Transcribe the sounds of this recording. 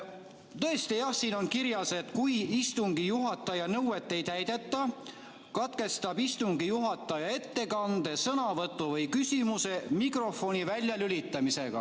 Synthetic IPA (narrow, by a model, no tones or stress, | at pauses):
t̪ɤ̞est̪ijɑhsiːno̞nkiɾjɑse̞t̪kujist̪uŋɡ̥ijuɦɑt̪ːˑɑjɑnɤwe̞t̪ːˑe̞jt̪æjd̪̥e̞t̪ˑːɑ | kɑt̪ke̞st̪ɑbist̪uŋɡijuɦɑt̪ːˑɑjɑe̞t̪ːe̞kɑnd̪̥e̞sɤnɑvɤt̪ːˑuvɤjkysimuse̞mikro̞fo̞nivælʲjɑlylit̪ːˑɑmise̞ɡ̥ɑ̰